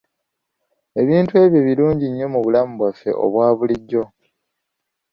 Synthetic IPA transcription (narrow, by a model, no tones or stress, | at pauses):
e̞βiːntue̞ːβjoβiluːɲɟiɲːo̞muβulamuβwafːe̞̰ʔo̞̰βwaːβuliɟːo̞